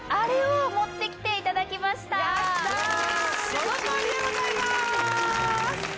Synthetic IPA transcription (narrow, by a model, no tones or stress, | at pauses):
aɾeomo̞t̪ːe̞kʲi̥t̪e̞it̪ad̪akʲimaɕi̥t̪aaɕt̪a | kɾieɡozaima | s